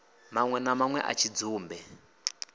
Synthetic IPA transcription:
maŋwɛnamaŋwɛ̰ʔa̰t͡ʃʰid͡zuːmbɛ

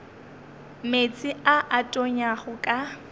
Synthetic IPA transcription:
met͡sʼɪaʔatʼoɲaχʊkʼa

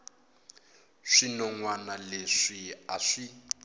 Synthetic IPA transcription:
ʂinɔŋwanaleʂia̰ʂi

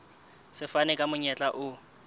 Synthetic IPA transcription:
sɪfanɛkʼamʊɲɛt͡ɬʼaʔʊ

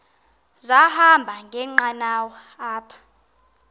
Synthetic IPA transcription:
zahambʱaŋɡʱɛŋ͡ǃanawɔ | aːpʰḁ

